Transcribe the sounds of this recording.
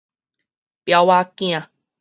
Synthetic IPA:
pja˧wa˦kĩ˦ã˨

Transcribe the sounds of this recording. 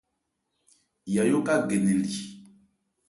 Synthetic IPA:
ja˨jo˦ka˦ɡe˨ne˨li˨

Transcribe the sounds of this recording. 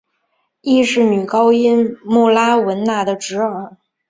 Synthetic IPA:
i˥ʂɻ̩˥˩ny˨˩kɑ˥ʊi˥nmu˥˩la˥wə˧˥nna˥˩d̪ə˩ʈ͡ʂɻ̩˧˥ə˞˨˧˩

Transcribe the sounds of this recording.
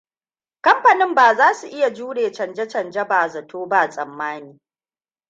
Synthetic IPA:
kɐ˦mɸɐ˨nɪ˦mbaː˨zaː˦su˨ʔɪ˦ja˨d͡ʒuː˦ɽeː˨t͡ʃɐ˨nd͡ʒɐ˦t͡ʃɐ˨nd͡ʒɐ˦baː˨zɐ˨tʰoː˦ba˦˨sʼɐ˨mːaː˦niː˨

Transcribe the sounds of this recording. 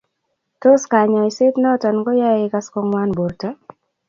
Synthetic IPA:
to˦ska˨ɲa˨isɪ˦tnɛ˦ɔ˦tɔ˨nɡɔ˦ja˦ɪ˦ka˦skɔ˦ŋwa˦nbo˨rta˦

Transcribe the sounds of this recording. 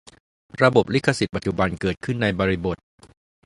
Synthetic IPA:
ɾa˧bo˨˩p̚li˦˥kʰːa˧si˨˩t̪̚pa˨t̪̚t͡ɕu˨˩ba˧nkɤː˨˩t̪̚kʰɯ˥˩nːa˧jbɔː˧ɾi˧bo˨˩t̪̚

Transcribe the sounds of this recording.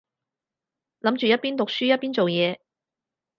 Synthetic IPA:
lɐ˨˥mt͡ʃyː˨jɐ˥t̚piː˥nt̪ʊ˨k̚syː˥jɐ˥t̚piː˥nt͡so˨wjɛː˨˧

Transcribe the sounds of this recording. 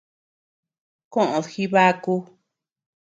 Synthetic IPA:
kõ˦ʔõ˨ðxi˧βa˦ku˧

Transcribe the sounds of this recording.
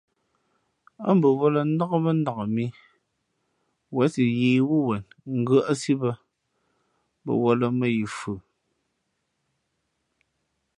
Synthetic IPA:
a̰˦m˦bə˨wɔ˦lə˨n̩˦dɔ˦kə˦mə˦n˦da˨kə˨mi˦ | wɛ˦si˨je˨wu˦wɛ˨nŋ̩˦ɡə˦ʔa˦si˦bə˦ | bə̰˨wɔ˦lə˨mə˦˨ji˨fʉ˨

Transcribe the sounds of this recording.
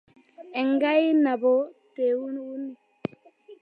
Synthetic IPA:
ɛ˨ŋɡa˦i˦na˨bo˦te˨u˦n˦u˦ni˨

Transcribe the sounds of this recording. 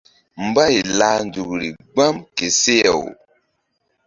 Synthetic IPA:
m̩˨ba˦i˨la˨˦nd͡ʒu˨kɾḭ˨ɡ͡ba˦mke˨se˦jɛ̰˨w

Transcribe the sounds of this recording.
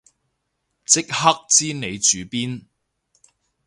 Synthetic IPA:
t͡sɪ˥k̚hɐ˥k̚t͡siː˥ne˨˧jt͡ʃyː˨˧piː˥n

